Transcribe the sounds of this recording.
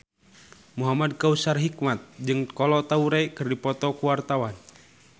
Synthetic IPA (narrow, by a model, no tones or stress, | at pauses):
muɦamad̚kausarɦikmat̪̚d͡ʒɨŋkɔlɔt̪auɾajkɨrdipɔt̪ɔkuwart̪awan